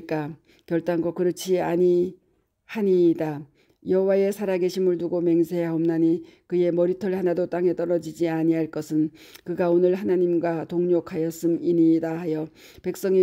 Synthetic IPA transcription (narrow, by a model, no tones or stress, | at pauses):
k͈a | kjʌɭt͈aŋɡwʌkɯɾʌt͡ɕʰiaɲi | haɲida | jʌɦowae̞sʰaɾaɡe̞ɕʰimɯɭtuɡome̞ŋsʰe̞ɦaomnaɲikɯje̞mʌɾitʰʌɭhanadot͈aŋe̞t͈ʌɾʌd͡ʑid͡ʑiaɲiɦaɭk͈ʌsʰɯn | kɯɡaonɯɭhanaɲimɡwatoŋɲokʰajʌs͈ɯminidaɦajʌ | pe̞k̚s͈ʌŋi